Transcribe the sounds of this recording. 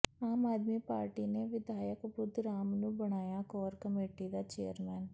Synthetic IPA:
aːmaːd̪miːpaːɾʈiːneːʋɪd̪aːjəkbʊd̪ɾaːmnũːbəɽ̃aːjaːkɔːɾkəmeːʈid̪aːt͡ʃḛːəɾmɛːn

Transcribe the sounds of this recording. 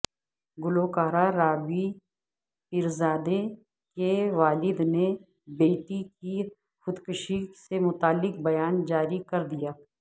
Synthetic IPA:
ɡʊloːkaːɾaɾaːʋi | pɪɾzaːd̪e | keʋaːlɪd̪ne | beːʈiki | xʊd̪kʊʃisemʊt̪aːlːɪk̚bɐjaːnd͡ʒaːɾikɐɾd̪ijaː

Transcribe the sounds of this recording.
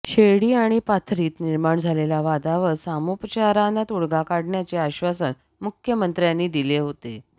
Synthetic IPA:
ɕeɽiːaɽ̃ipat̪ʰɾiːt̪niɾmaɳd͡zʱalelaʋad̪aʋəsamupət͡ɕaɾanat̪uɽɡakaɽɳjat͡seaɕʋasən | mukʰjəmənt̪ɾjanːiːd̪ileɦot̪e

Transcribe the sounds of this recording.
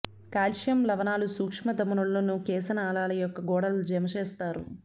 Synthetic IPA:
kaːlʃjɐmlɐʋɐnaːlusuːkʂmɐd̪ɐmɐnuɭːonukɛːsɐnaːlaːlɐjɔkːɐɡɔːɽɐld͡ʒɐmɐt͡ʃɛːst̪aːɾṵ

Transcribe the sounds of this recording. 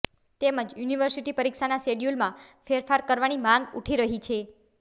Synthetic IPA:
t̪eməd͡ʒjuniʋəɾsiʈipəɾikʃanaseɖjulmãfeɾfaɾkəɾʋanimãŋɡṵʈʰiɾəɦit͡ʃʰe

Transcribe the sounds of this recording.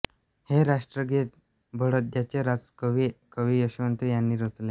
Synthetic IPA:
heɾaʂʈɾəɡit̪̚ | bʱəɽət̪̚d͡ʒjat͡ɕeɾat͡skəʋikəʋijəɕʋənt̪ujanːiɾət͡sle

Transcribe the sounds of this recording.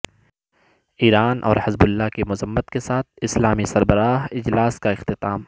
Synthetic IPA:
iːɾaːnʔɔ̰ːɾhɪzbʊlːaɦkemʊzəmːət̪kesaːt̪̚ʰɪslaːmisɐɾbəɾaːɦɪd͡ʒlaːskaɪxt̪ɪt̪aːm

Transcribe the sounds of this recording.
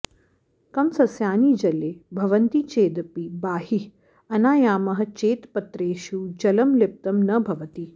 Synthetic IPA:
kɐmsɐsjaːniːd͡ʒɐleːbʱɐʋɐnt̪it͡ʃeːd̪ɐpibaːhi | ɐnaːjaːmɐɦɐ̆t͡ʃeːt̪pɐt̪ɾeːʃud͡ʒɐlɐmlep̚t̪ɐmnɐbʱɐʋɐt̪i

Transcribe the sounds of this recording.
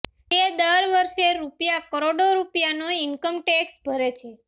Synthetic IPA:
ed̪əɾʋəɾʃeɾupjakəɾoɽoɾupjanoinkəmʈeksbʱəɾet͡ʃʰe

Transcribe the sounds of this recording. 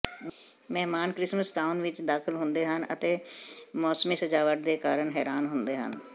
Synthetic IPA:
mɛɦmaːnkɾɪsməsʈaːʊnʋɪt͡ʃd̪aːkʰɪlɦʊ̃nd̪eːɦənə̰t̪eːmɔːsmiːsəd͡ʒaːʋəʈ̚d̪eːkaːɾəɳɦɛːɾaːnɦʊnd̪eːɦə̰n

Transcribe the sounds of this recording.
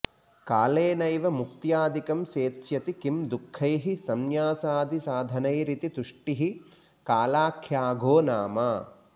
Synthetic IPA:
kaːleːnɐjʋɐmukt̪jaːd̪ikɐmseːt̪sjɐt̪ikimd̪ukʰːɐjɦisɐmjaːsaːd̪isaːd̪ʱɐnɐjɾit̪it̪uʂʈiɦi | kaːlaːkʰjaːɡʱoːnaːmaː

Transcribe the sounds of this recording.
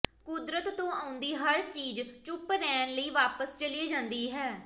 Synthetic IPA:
kʊd̪ɾət̪ːõːaːʊnd̪iːɦəɾt͡ʃiːd͡ʒt͡ʃʊpɾɛːnləiːʋaːpəst͡ʃəliːd͡ʒãːnd̪iːɦɛː

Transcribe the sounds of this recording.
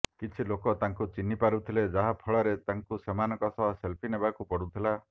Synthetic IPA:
kit͡ʃʰilokɔt̪aŋkut͡ʃinipaɾut̪ʰiled͡ʒaɦapʰɔɭɔɾet̪aŋkusemanɔkɔsɔbɔselpʰinebakupɔɽut̪ʰila

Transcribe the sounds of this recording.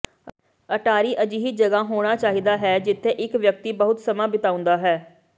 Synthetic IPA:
əʈaːɾiːʔəd͡ʒiːɦiːd͡ʒəɡaːɦoːɽ̃aːt͡ʃaːɦiːd̪aːɦɛːd͡ʒɪt̪ʰːeːʔɪkʋjək̚t̪iːbəɦʊt̪səmãːbɪt̪aːʊ̃nd̪aːɦɛː

